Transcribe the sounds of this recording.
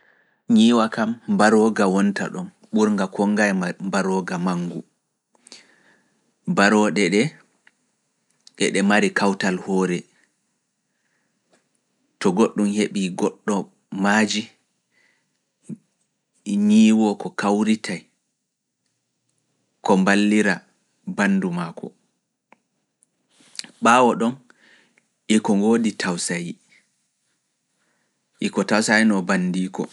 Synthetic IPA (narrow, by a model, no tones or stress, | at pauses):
ɲiːwakambaɾɔɡawɔnta̰ɗɔm | ɓuɾŋɡakɔŋɡajmbaɾɔɡamaŋɡu | baɾɔɗɛɗɛ | ɗɛ̰ɗɛmaɾikawtalhɔːɾɛ | tɔɡoɗːumheɓiɡɔɗːɔ | mad͡ʒi | ɲiːwɔkɔkawɾitʰaj | kɔmbalːiɾa | banːdumaːkɔ̰ | ɓaːwɔɗɔn | ʔikɔŋɡoːditʰawsaji | ʔikɔtawsajnɔbandiːkɔ̰